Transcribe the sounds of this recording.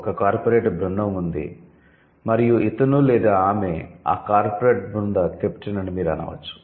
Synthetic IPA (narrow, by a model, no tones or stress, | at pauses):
ɔkɐkaːɾpoɾeːʈbɾunːɐmund̪ḭ | mɐɾijuit̪ɐnulɛːd̪aːaːmea̰ːkaːɾpoɾeːʈ̚bɾund̪ɐt̪ept͡ʃinɐɳimiːɾɐna̰ːʋɐ̰t͡ʃːu̥